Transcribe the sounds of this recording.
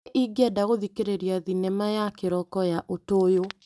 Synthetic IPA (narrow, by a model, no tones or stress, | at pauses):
ʔiɡɛdaɣoðikeɾeɾiaðinɛmajakeɾɔkɔjaʔotoːjo